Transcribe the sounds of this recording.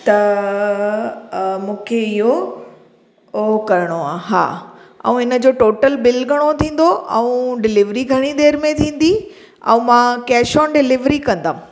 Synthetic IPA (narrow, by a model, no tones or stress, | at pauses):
t̪ɐ | mũːkʰeɪɦo | okɐɾɪɽ̃oaːɦa̰ːɛ̰̃ũɪnə̆d͡ʑoːʈoːʈəlbɪlɡʱɐɽ̃ot̪ʰĩːn̆d̪oʔɛ̰̃ũɖɪlɪʋɾiɡʱɐɽ̃id̪eːɾmẽt̪ʰĩːn̆d̪i | ɛ̰̃ũmãkɛːʃɔːnɖɪlɪʋɾikɐ̃nd̪aːũ